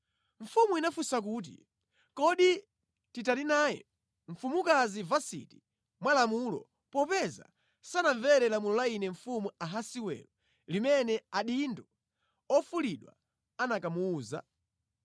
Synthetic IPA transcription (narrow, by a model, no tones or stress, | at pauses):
ɱ̩fumuinafusak̬uːt̬ḭ | kɔɗi | titalinaːjɛ̰ | ɱ̩fumukazivasḭti | mwalamulɔ̰ | pɔpɛza̰ | sanaɱvɛɾɛlamulɔlainɛɱ̩fumuaɦasiwɛ̰lɔ | limɛnɛaɗindu | ɔfuliɗwa̰ | anakamuːza̰